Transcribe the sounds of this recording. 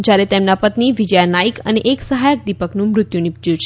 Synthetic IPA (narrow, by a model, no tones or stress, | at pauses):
d͡ʒjaɾet̪emnapət̪niʋid͡ʒəjanaikə̰neʔeksəɦajək̚d̪ipəknũmɾʊt̪jũnipd͡ʒjũt͡ʃʰ